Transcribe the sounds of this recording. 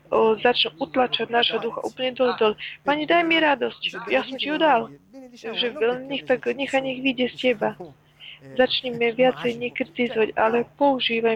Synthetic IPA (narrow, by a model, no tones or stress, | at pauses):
zat͡ʃnuʔut̪lat͡ʃaɟ̪ʲnaːʒɦɔd̪uxa̰ʔuːpl̩ɲɛd̪ɔlɛd̪ɔlɛpaɲɛd̪ajmiɾad̪ɔscjasɔmciɔd̪al | ʒɛɛnɲɛxt̪aɡɲɛxaɲɛɣʋiɟɛscɛba | zat͡ʃɲɛmɛʋɪat͡sɛjɲɛkɾit̪izɔʋacalɛpɔuʒiːʋa